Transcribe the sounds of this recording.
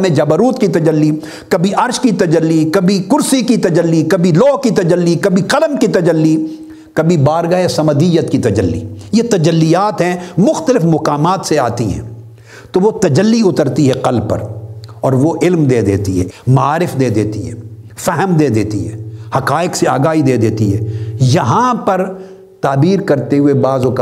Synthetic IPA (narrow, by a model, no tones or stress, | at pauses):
mẽd͡ʒɐbəɾuːt̪kit̪ɐd͡ʒəlːi | kɐbʱiʔɐɾʃkit̪ɐd͡ʒəlːikɐbʱikʊɾsikit̪ɐd͡ʒəlːikɐbʱilɔːɦkit̪ɐd͡ʒəlːikɐbʱiqɐləmkit̪ɐd͡ʒəlːi | kɐbʱibaːɾɡaesɐməd̪ɪjət̪kit̪ɐd͡ʒəlːḭjet̪ɐd͡ʒəlːijaːt̪ɦɛ̃mʊxt̪əlɪfmʊqaːmaːt̪seaːt̪iɦɛ̰̃ː | t̪oʋot̪ɐd͡ʒəlːiʊt̪əɾt̪iɦɛqɐlpɐ̰ɾɔːɾʋoʔɪlmd̪eːd̪eːt̪iɦɛ̰mɐaːɾɪfd̪eːd̪eːt̪iɦɛː | fɛɦəmd̪eːd̪eːt̪iɦɛːhɐqaːɪqsea̰ːɡaːɦid̪eːd̪eːt̪iɦɛːjɐɦãpɐɾ | t̪aːbiːɾkɐɾt̪eɦʊebaːzoka